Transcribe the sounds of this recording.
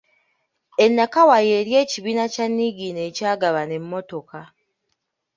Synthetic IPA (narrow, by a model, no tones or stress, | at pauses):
e̞nːakawaje̞ːɾje̞ːciβiːnacanːiɡine̞ːcaːɡaβane̞mːo̞to̞ka